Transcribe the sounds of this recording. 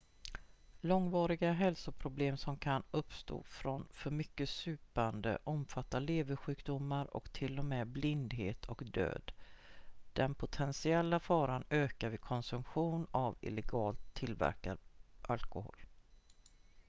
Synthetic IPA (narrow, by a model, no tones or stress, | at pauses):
lɔŋvɑːɾɪɡaɦɛlsʊpʰɾʊbleːmsɔmkʰanɵpst̪o̰ːfɾɔnfœɾmʏkːəsʉ̟ːpand̪ə̰ʔɔmfat̪ːaleːvəɾɧʉ̟ːkd̪ʊmːaɾɔ̰kt̪ʰɪlːɔmɛːblɪnd̪ɦeːt̪ʰɔkd̪ø̰ːd̪ | d̪̥ɛnpʰʊt̪ʰɛnsɪɛlːafɑːɾanøːkaɾvɪkʰɔnsɵmɧuːnavɪ̰lɛɡɑːlt̪ʰːɪlvæ̰ɾkaɾʔalkʊho̰ːl